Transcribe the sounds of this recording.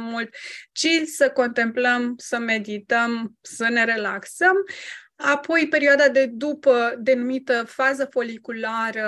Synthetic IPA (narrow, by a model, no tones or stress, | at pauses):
mult̪t͡ʃilʲsəko̞nt̪e̞mpləmsəme̞d̪it̪əmsəne̞ɾe̞laksəm | apo̞jpe̞ɾiad̪ad̪e̞d̪upəd̪e̞numit̪əfazəfo̞likulaɾə